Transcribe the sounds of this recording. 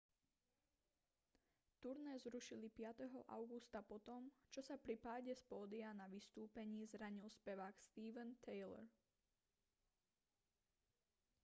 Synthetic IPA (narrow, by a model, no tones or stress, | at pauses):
t̪uɾnɛzɾuʃilipɪat̪ɛɦɔʔa̰ʊɡust̪apɔt̪ɔmt͡ʃɔsapɾipaːɟɛspɔːd̪ianaʋist̪uːpɛɲiːzɾaɲilspɛʋaːkst̪iːʋɛnt̪ʰɛjlɛ̰ɾ